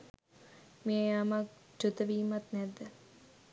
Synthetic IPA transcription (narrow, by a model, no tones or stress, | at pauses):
meamak̚d͡ʒut̪əʋiːmat̪nɛd̪ːə